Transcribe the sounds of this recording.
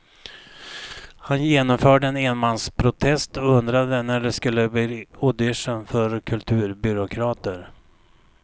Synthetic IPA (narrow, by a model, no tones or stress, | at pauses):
hanjeːnɔmfœːɖəɛneːnmanspʰɾʊt̪ʰɛst̪ɔɵnd̪ɾad̪ənæɖɛskɵlːəbiʊd̪ɪʂənfœɾkʰɵlt̪ʰʉ̟ːɾbʏɾʊkʰɾɑːt̪əɾ